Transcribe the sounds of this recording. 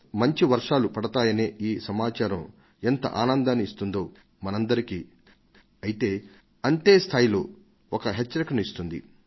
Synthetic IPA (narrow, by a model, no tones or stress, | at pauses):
mɐɲt͡ʃiʋɐɾʂaːlupɐɽɐt̪aːjɐneːʔiːsɐmaːt͡ʃaːɾɐm | ent̪ɐ̰ʔaːnɐnd̪aːniist̪und̪o̞ː | mɐnɐnd̪ɐɾikiː | ɐjit̪eː | ɐnt̪eːst̪ʰaːjilo̞ː | ɔkɐɦet͡ʃːɐɾikɐnuist̪und̪ḭ